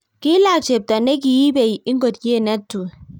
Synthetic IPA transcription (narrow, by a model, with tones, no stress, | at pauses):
kɪ˦la˨t͡ʃe˨b̚tɔ˨nɛ˦k̬i˨ji˦be˨i˨ɪ˦ŋɡo˨tke˦˨nɛ˦tːu˨